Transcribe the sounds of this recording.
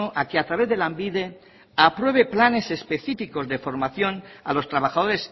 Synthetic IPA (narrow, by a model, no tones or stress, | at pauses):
oʔakeat̪ɾaβe̞zðe̞lambiðe̞ | apɾwe̞β̞e̞plane̞se̞spe̞θifiko̞zðe̞fo̞ɾmaθjo̞na̰lo̞st̪ɾaβaxað̞o̞ɾe̞s